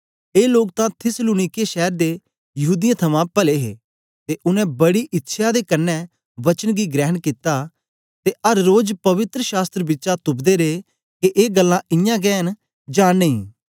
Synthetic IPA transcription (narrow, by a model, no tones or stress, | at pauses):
eːloːk̚t̪ãt̪ʰɪsluːnɪkeʃɛːɾd̪e | jɐɦuːd̪ɪjãt̪ʰɐmãpəleːɦḛː | t̪eʔʊnɛ̃bɐɽiʔɪtːʃʰad̪ekɐnːɛ | ʋɐt͡ʃənɡiɡɾɛːɦənkɪt̪a | t̪eɐɾːoːd͡ʒpɐʋɪt̪ɾəʃaːst̪ɾəbɪtːʃat̪ʊpd̪eɾe | keʔeːɡəlːãɪjãɡɛːɦən | d͡ʒãːnəḭ̃ː